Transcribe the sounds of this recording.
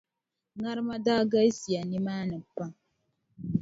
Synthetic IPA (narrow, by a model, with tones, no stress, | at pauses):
ŋa˦ɾma˦daː˦ɡa˦i˦si˨a˨ni˦maː˦nə˨pa˦